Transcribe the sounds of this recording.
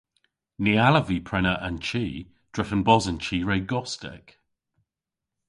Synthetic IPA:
nialəviːpʰɹ̥ɛnəɹʔə̃nt͡ʃʰiː | d̥ɹɪfə̃nbɔzə̃nt͡ʃʰiːɹeɪɡɔstɪ̰k

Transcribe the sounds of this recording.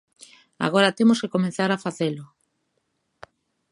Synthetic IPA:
a̰ɣoɾat̪emoskekomẽnθaɾafaθelʊ

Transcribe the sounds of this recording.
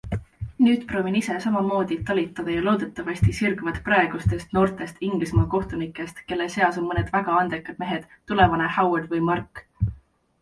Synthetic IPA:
nyːd̪̥pro̞ːvinise̞sɑmɑmo̞ːd̪̥it̪olit̪ːˑɑd̪̥ɑjɑlo̞ːd̪̥et̪ːˑɑvɑɕʲt̪isirɡvɑd̪̥prɑe̞ɡ̥ust̪e̞st̪no̞ːrt̪ˑe̞st̪iŋɡ̥lismɑːko̞ht̪unikːˑe̞st̪ke̞lːese̞ɑso̞nmɤned̪̥væɡ̥ɑɑnd̪ekːˑɑd̪̥me̞ɦe̞d̪̥t̪ulevɑnehɑwed̪vɯjmɑrkː

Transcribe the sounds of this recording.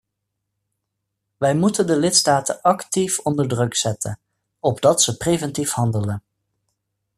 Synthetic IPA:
ʋɛjmutəndəlɪtstaːtəʔɑktifɔndəɹdrɵksɛtʰə̰n | ɔbdɑtsəprejvɛntifhɑndələn

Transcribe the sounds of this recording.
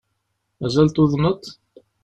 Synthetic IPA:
mæzælt̪uðnət̪

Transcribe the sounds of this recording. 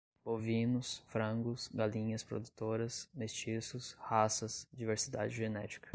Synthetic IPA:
bovĩnʊsfɾɐ̃ɡʊsɡalĩɲɐspɾo̰d̪ut̪oɾɐsmest͡ʃisʊshasɐsd͡ʒiveɾsid̪a̰d͡ʒɪʒenɛt͡ʃi̥kɐ̥

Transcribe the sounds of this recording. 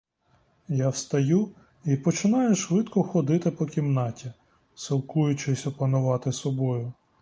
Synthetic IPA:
jawst̪ɐju | ipɔt͡ʃɪnɑjʊʃʋɪd̪kɔxɔd̪ɪt̪ɪpɔkʲimnɑtʲi | silˠkujʊt͡ʃɪsʲɔpɐnʊʋɑt̪ɪsɔbɔjʊ

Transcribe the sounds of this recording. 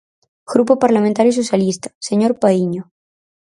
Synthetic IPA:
ɡɾupopaɾlamẽnt̪aɾjis̬o̞sjalist̪ḁseɲo̞ɾpaiɲo

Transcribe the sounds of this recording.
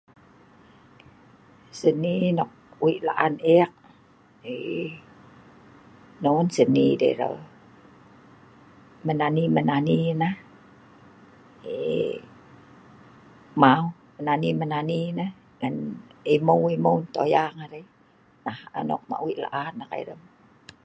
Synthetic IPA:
səninɔk̚wiʔla̰ʔaneak̚ | e | nonsənidḛɾə̰ | mənanimənaninah | e | mau | mənanimənaninah | ŋanimowiməwnt̪ojaŋaɾe | nahə̰nɔ̰k̚ma̰ʔwiʔla̰ʔanakḛɾəm

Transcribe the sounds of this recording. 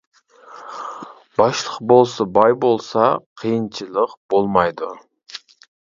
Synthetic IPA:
bɑʃlˠəq̚bolˠsɑbɑjbolˠsɑqʰijɨnt͡ʃʰɨlˠəqb̥olˠmɑjd̪ʊ

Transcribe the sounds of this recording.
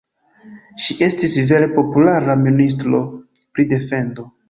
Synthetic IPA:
ʃiʔe̞stisve̞ɾepo̞pulaɾaminis̬tɾo̞ | pɾide̞fe̞ndo̞

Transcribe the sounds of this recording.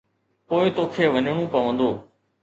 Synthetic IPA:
poːɪt̪oːkʰeːʋəɲɳ̃ũːpəʋə̃nd̪oː

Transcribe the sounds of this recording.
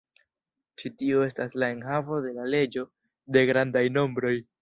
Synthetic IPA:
t͡ʃitio̞e̞staslae̞nɦavo̞de̞lale̞d͡ʒo̞ | de̞ɡɾandajno̞mbɾo̞j

